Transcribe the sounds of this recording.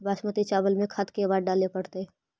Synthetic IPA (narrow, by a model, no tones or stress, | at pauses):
baːʃmət̪it͡ʃaːbəlmẽkʰɐt̪kebaːɖɖaːlepɐɽt̪e